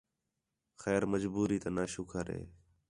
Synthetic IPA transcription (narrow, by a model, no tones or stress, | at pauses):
xɛːɾməd͡ʒbuːɾiːt̪aːnaːʃʊkʰəɾɦḛː